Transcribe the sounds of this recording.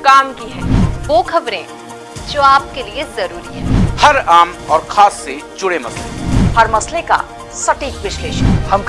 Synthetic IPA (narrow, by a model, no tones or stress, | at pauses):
kaːmkiɦɛ̰̃ːʋoːkʰɐbɾẽ | d͡ʒoːaːp̚keliezɐɾuːɾiɦɛːhɐɾaːmɔːɾkʰaːsːed͡ʒʊɽemɐslehɐɾmɐsleka̰ | sɐʈiːkʋɪʃleːʃəhɐm